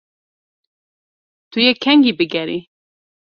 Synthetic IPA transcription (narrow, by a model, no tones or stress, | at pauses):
t̪ujekʰɛŋɡibɨɡɛɾi